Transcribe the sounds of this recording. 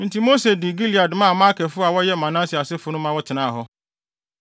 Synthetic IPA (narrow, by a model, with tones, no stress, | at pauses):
n̩˨ti˨mo˦se˨dɪ˨ɡi˦li˨a˨dɪ˨mã˦˨mã˦kʰɛ˨fʊ˦a˨wɔ˦jɛ˦mã˨nã˦si˨a˨sɪ˦fʊ˨nʊ̃˦mã˦wɔ˦tʰɪ˨nãː˦˨ɦɔ˦